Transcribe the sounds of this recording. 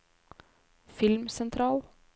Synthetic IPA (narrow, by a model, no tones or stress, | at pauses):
fɪlmsɛnt̪ʰɾɑːl